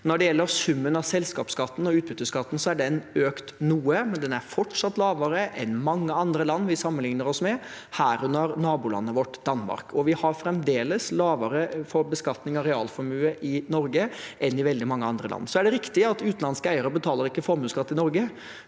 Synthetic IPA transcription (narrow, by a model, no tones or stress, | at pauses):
nɔɖɛjɛlːəɾsʉmːənɑsɛlskɑːpskɑt̪ːn̩ɔʉːt̪̚bʏt̪ːəskɑt̪ːn̩sɔæɖɛnøːkt̪nuːəmɛnd̪ɛnæɾfɔʈʂɑt̪ːlɑːʋəɾəʔɛnmɑŋːəɑnd̪ɾəlɑnːʋɪsɑmːənlɪŋnəɾɔsmɛ | hæːɾʉnːəɾnɑːbulɑ̰nːəʋɔʈːd̪̥ɑnːmɑ̰ɾkʰɔʋɪhɑɾfɾɛmd̪eːləslɑːʋəɾəfɔɾbəskɑt̪nɪŋɑɾɛɑ̰ːlfɔɾmʉːəʔɪnɔɾɡəʔɛnːɪʋɛld̪ɪmɑŋːəɑnd̪ɾəlɑ̰nːsɔæɖɛɾɪkt̪ɪɑt̪ʉːt̪n̩ɑnskəæɪəɾəbət̪ʰɑːləɾɪkːəfɔɾmʉːskɑt̪ːɪnɔɾɡə